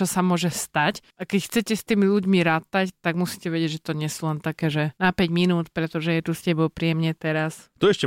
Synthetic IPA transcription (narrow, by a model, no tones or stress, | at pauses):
ɔsamʊɔʒɛst̪acʔakɛcxt͡sɛcɛst̪iːmiʎuɟmiɾaːt̪act̪aɡmusi̥cɛʋɛɟɪɛɟʒɛt̪ɔɲɪɛsulɛnt̪akɛːʒɛnapɛɟminuːt̪pɾɛt̪ɔʒɛjɛt̪uscɛbɔʊpɾiɛmɲɛt̪ɛɾast̪uɛʃcɛ